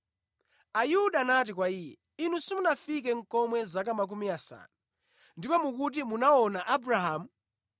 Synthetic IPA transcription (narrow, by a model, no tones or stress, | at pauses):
ajuɗaːnat̬ik̬waiːjɛ | inusimunafik̬ɛŋ̩kɔmwɛzak̬amak̬umiasa̰na | ndipɔmuk̬ut̬imunaɔnaʔabɾaɦaːmu